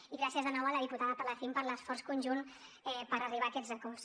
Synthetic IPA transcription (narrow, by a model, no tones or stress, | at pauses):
iɣɾasiəzðənɔwələðiput̪aðəpələθimpəɾləsfɔrskunʒun | ɛpəɾəriβ̞aːkɛt̪zəkɔrs